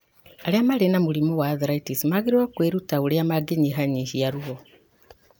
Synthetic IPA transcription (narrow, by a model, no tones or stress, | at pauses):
aɾeamaɾenamuɾimowaːðɾaitismaɣeɾewakweɾutaoɾeamaɡeɲiɦaɲihiaɾuɔ